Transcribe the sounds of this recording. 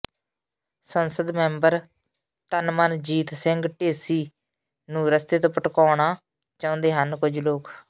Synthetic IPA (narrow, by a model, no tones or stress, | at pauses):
sənsəd̪mɛ̃ːmbəɾ | t̪ənmənd͡ʒiːt̪sɪŋɡʈeːsiː | nũːɾəst̪eːt̪õːpəʈkɔːɳaː | t͡ʃɔ̃ːʊ̃ːnd̪eːɦənkʊd͡ʒloːk